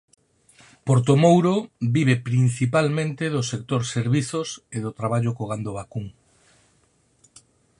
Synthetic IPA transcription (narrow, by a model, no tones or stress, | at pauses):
poɾt̪̬omowɾobiβ̞epɾin̟θipalmẽnt̪ɪðʊsek̚t̪oɾseɾβiθoseðʊt̪ɾaβaʎʊkoɣ̞and̪oβakuŋ